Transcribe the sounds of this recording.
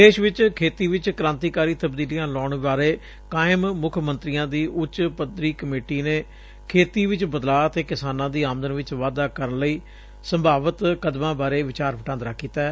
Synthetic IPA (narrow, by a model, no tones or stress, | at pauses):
d̪eːʃʋɪt͡ʃkʰeːt̪iːʋɪt͡ʃkəɾãːnt̪iːkaːɾiːt̪əbd̪iːlijãːlɔːɳʋaːɾeː | kaːɪmmʊkʰmənt̪ɾijãːd̪iːʔʊt͡ʃpəd̪ɾiːkəmeːʈiːneː | kʰeːt̪iːʋɪt͡ʃbəd̪laːət̪eːkɪsaːnãːd̪iːaːmd̪ənʋɪt͡ʃʋaːd̪aːkəɾənləiː | səmbʱaːʋət̪kəd̪mãːbaːɾeːʋɪt͡ʃaːɾpəʈãːnd̪ɾaːkːiːt̪aɛ